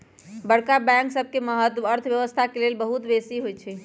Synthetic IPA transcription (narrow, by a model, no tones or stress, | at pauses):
bəɽkabɛ̃ŋksəbʱkeməɦət̪əɾt̪ʰʋjəʋəst̪ʰakelelbəɦut̪besiɦojt͡ʃʰɛ